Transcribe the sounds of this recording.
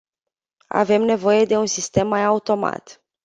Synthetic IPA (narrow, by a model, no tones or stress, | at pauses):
a̰ve̞mne̞vo̞je̞d̪e̞unsist̪e̞mːajaut̪o̞ma̰t̪